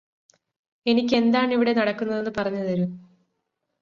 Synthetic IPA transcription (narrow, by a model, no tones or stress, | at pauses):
e̞nikʲːe̞nd̪aːɳiʋiɽe̞nɐɽɐkːunːɐðe̞nːɨpɐrɐɲːuðɐɾu